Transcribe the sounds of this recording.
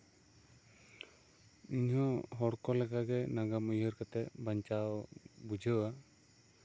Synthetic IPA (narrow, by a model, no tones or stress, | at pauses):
iɲɦɔ̃ɦɔɽkɔlɛkaɡɛnaɡamujɦəɾkat̪ɛbaɲt͡ʃawbud͡ʒʱəwa